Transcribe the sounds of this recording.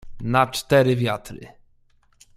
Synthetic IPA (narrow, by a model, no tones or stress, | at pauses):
nat͡ʂt̪ɛɾɘvʲjat̪ɾɘ̰